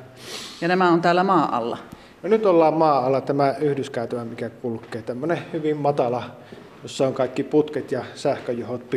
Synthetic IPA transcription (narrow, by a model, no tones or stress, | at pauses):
jɑnæmæont̪æːlːæmɑːʔɑ̰lːɑ̰ | nonyt̪olːɑːmmɑːɑlːɑt̪æmæyhdyskæˑyt̪æmæmikækulkːˑeːt̪æmːønehyʋimmɑt̪ɑlɑ | josːɑoŋkɑˑikːiput̪ket̪jɑsæhkøjuhot̪̚pi